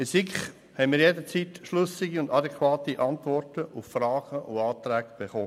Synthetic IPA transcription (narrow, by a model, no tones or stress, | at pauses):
esikχ | hɛɪmiːɾjedət͡siːt̪ʃlʏsɪɡiʊndɑdɛkʰʋɑːtiʔɑntʋɔrtəufrɑːɡ̥əʔʊɑːt̪ɾɛːɡb̥eχoː